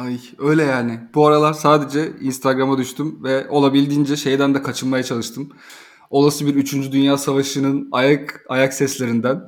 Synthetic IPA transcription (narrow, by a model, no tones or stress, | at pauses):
aj | ø̞jlʲɛjaːnɪbuaɾalˠaɾsaːd̪e̞d͡ʒɛinst̪ʰaɡɾamad̪yʃt̪ʰymvɛo̞lˠabilʲd̪iːnd͡ʒɛʃe̞jd̪ænd̪ɛkʰat͡ʃʰɯnmajat͡ʃʰalˠɯʃt̪ʰɯm | o̞lˠasɯbiɾyt͡ʃʰynd͡ʒyd̪ynjaːsavaʃɯnɯnajakajaksɛslʲeɾind̪æn